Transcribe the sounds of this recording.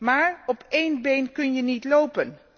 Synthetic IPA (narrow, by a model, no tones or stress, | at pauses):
maːɹɔpejnbejnkɵnjənitlowpən